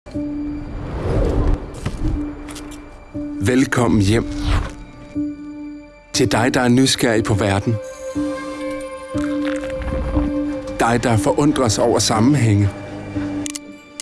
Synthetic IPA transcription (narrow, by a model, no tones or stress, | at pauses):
ʋelkʰɒ̽m̰n̩jem̰ | t͡sʰe̝ld̥ɑ̈ɪd̥ɑ̈æɐnysɡ̥æɐ̰ipʰɒ̽ʋæɐd̥n̩ | d̥ɑ̈ɪd̥ɑ̈ɐfɒ̽ʔɔ̽n̰d̥ʁɐsɒʊ̰ɐsɑ̈mn̩ɦeŋ̰ə